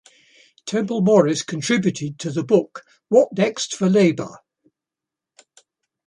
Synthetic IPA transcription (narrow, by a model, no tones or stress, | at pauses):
tʰɛ̃mpəlˠmɒɹɪskʰə̃ntʰɹ̥ɪbjʉtʰɪd̚tʰəðəbʊk | wɒʔnɛkstfəleɪbə̰